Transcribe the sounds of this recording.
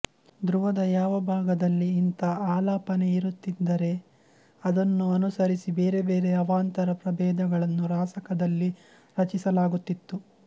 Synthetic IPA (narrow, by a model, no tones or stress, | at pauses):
d̪ɾuʋɐd̪ɐjaːʋɐbʱaːɡɐd̪ɐlːiːnt̪ɐaːlaːpɐne̞iɾut̪ːid̪ːɐɾe̞ | ɐd̪ɐnːuɐnusɐɾisibeːɾe̞beːɾe̞ɐʋaːnt̪ɐɾɐpɾɐbɛːd̪ɐɡɐɭɐnːuɾaːsɐkɐd̪ɐlːi | ɾɐt͡ʃisɐlaːɡut̪ːit̪ːu